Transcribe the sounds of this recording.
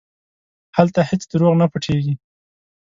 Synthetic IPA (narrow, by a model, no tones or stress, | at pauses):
halt̪ahɪt͡sd̪əɾoɣnapəʈʰeɡi